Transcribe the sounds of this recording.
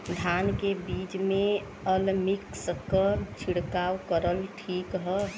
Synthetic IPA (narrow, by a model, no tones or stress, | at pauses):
d̪ʱankebit͡ʃme | əlmiksəkːət͡ʃʰiɽkawkəɾəlʈʰikɦə